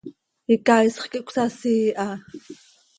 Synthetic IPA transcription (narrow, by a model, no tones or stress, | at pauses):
ikajsχkiʔkʷsasiːʔa